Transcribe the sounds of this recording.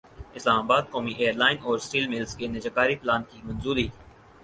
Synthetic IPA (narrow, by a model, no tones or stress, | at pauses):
ɪslaːmaːbaːd̪̚koːmiʔeːəɾlaːɪnɔːɾsʈiːlmɪlskenɐd͡ʒəkaːɾiplaːnkimɐnzuːɾiː